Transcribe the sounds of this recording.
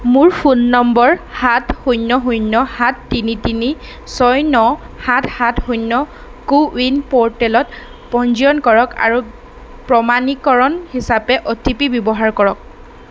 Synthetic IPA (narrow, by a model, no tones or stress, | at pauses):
muɹpʰunːɔmbɔɹhathujnːɔɦujnːɔhatːinitini | sɔjnɔ | hathatxujnːɔ | kuwinpɔɹtɛlɔt | pɔnd͡ʒiɔnkɔɹɔka̰ɹu | pɹɔmanikɔɹɔnhisapɛʔɔtipibjɔbɔɦaɹkɔɹɔk̚